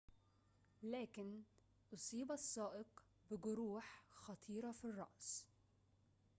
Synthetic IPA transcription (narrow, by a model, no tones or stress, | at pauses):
laːkɪn | ʔʊsˤiːbɑsˤːɑːʔɪq | bɪɡʊɾuːħxɑt̪ˤʰiːɾafirˤːɑ̰ʔs